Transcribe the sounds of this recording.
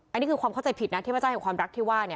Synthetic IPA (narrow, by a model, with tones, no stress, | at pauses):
ʔa˧niː˦˥˩kʰɯː˧kwaː˧mkʰt͡ɕa˧jpʰi˨˩t̪̚na˦˥t̪ʰːa˧˩a˥˩he˨˩nkwaː˧mɾa˦˥k̚t̪ʰiː˥˩waː˥˩ni˥˩